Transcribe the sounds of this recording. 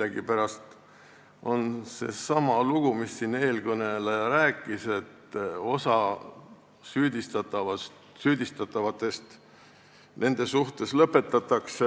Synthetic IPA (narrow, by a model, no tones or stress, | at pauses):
læɡ̥ipæɾɑst̪ | o̞nse̞̰sɑmɑluɡ̥umisːine̞ːlkɤne̞lɑjɑɾæːkːˑise̞t̪ːo̞sɑ | syːd̪ist̪ɑt̪ːɑvɑ | syːd̪̥ist̪ɑt̪ːˑɑvɑt̪ːˑe̞st̪ | nʔe̞nd̪̥e̞suht̪e̞slɤpːˑe̞t̪ːˑɑt̪ːˑɑkse